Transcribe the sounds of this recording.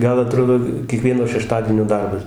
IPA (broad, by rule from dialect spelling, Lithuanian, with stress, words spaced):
ˈɡɐlˠ ɐˈtroːdoː kʲiɛˈkʋʲiɛnoː ʃʲɛˈʃtɑːdʲiɛnʲoː ˈdɐrbɐs